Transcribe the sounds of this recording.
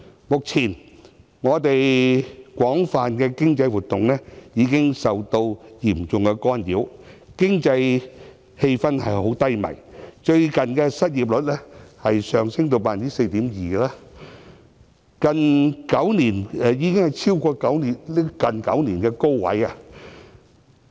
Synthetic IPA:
mʊ˨k̚t͡sʰiː˨˩n | ŋɔː˨˧t̪e˨jkʷɔː˨˥ŋfaː˨nkɛ˧kɪ˥ŋt͡sɐ˧jwu˨t̪ʊ˨˩ŋnɛː˥jiː˨˧kɪ˥ŋsɐ˨wt̪o˧wjiː˨˩mt͡sʊ˨ŋkɛ˧kɔː˥njiː˨˥wkɪ˥ŋt͡sɐ˧j | he˧jfɐ˥nhɐ˨jho˨˥wt̪ɐ˥jmɐ̰˨˩jt͡ʃɵ˧ɥkɐ˨nkɛ˧sɐ˥t̚jiː˨˩p̚lɵ˨˥t̚lɛː˥hɐ˨jsœː˨ŋsɪ˥ŋt̪o˨˧wpaː˨niː˥se˧jt̪iː˨˥mjiː˨˩laː˥ | kɐ˨nkɐ˨˥wniː˨˩nɛ˨˧jiː˨˧kɪ˥ŋhɐ˨jt͡sʰiː˥wkɔː˧kɐ˨˥wniː˨˩nlːkɐ˨nkɐ̰˨˥wniː˨˩nkɛ˧ko˥wwɐ̰˨˥ja˧

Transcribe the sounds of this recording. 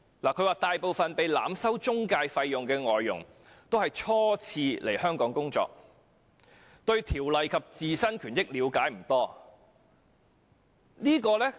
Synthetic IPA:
laː˨˩kʰɵ˨˧ɥwaː˨t̪aː˨jpo˨wfɐ˨npe˨jla̰ː˨˧msɐ˥wt͡ʃʊ˥ŋkaː˧jfɐ˧jːʊ˨˩ŋkɛː˧ŋɔː˨jːʊ̰˨˩ŋ | t̪o˥whɐ˨jt͡ʃʰɔː˥t͡sʰiː˧lʔe˨˩jhœː˥ŋkɔː˨˥ŋkʊ˥ŋt͡sɔ̰ː˧˨k̚ | t̪ɵ˧ɥt̪ʰiː˨˩wlɐ˨jkʰɐ˨p̚t͡siː˨sɐ˥nkʰyː˨˩njɪ˥k̚liː˨˧wkaː˨˥jm̩˨˩t̪ɔː˥ | niː˥kɔː˧lɛː˥

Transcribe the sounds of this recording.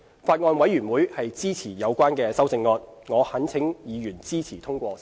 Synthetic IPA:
faː˧t̚ŋɔː˧nwɐ˨˥jɥyː˨˩nwuː˨˥jhɐ˨jt͡siː˥t͡sʰiː˨˩jɐ˨˧wkʷaː˥nkɛː˧sɐ˥wt͡sɪ˧ŋːɔː˧t̚ŋɔː˨˧hɐ˨˥nt͡sʰɪ˨˥ŋjiː˨˧jyː˨˩nt͡siː˥t͡sʰiː˨˩t̪ʰʊ˥ŋkʷɔː˧

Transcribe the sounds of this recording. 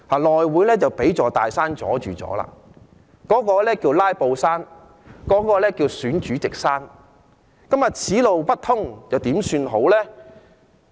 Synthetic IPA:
haː˨˩lɔː˨jwuː˨˥jlɛː˥t͡sɐ˨˩wpe˨˥jt͡sɔː˨t̪aː˨jsaː˥nt͡sɔ̰ː˨˥t͡ʃyː˨˩t͡sɔ̰ː˨˥la̰ː˧ | kɔː˨˥kɔː˧lɛː˥kiː˧wlaː˥jpo˧wsaː˥n | kɔː˨˥kɔː˧lɛː˥kiː˧wsyː˨˥nt͡ʃyː˨˥t͡sɪ˨k̚saː˥n | kɐ˥mjɐ˨˩t̚t͡sʰiː˨˥lo˨wpɐ˥t̚t̪ʰʊ˥ŋt͡sɐ˨wt̪iː˨˥msyː˧nɦo˨˥wlɛː˥

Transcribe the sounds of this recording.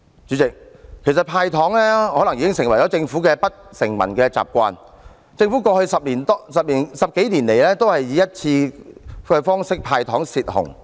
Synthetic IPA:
t͡ʃyː˨˥t͡sɪ˨k̚kʰe˨˩js̬ɐ˨t̚pʰaː˧jt̪ʰɔː˨˥ŋlɛː˥hɔː˨˥lɐ˨˩ŋjiː˨˧kɪ˥ŋsɪ˨˩ŋwɐ˨˩jt͡ɕɔː˨˥t͡sɪ˧ŋfuː˨˥kɛː˧pɐ˥t̚sɪ˨˩ŋmɐ̰˨˩nkɛː˧t͡sa̰ː˨p̚kʷa̰ː˧n | t͡sɪ˧ŋfu˨˦˥kɔː˧hɵ˧sɐ˨p̚liː˨˩nt̪sɐ˨p̚liː˨˩nsɐ˨p̚ke˨˥jliː˨˩nle˨˩jlɛː˥t̪o˥whɐ˨jːiː˨˥jɐ˥t̚t͡sʰiː˧kɛː˧fɔː˥ŋsɪ˥k̚pʰaː˧jt̪ʰɔː˨˥ŋsiː˨t̚hʊ̰˨˩ŋ

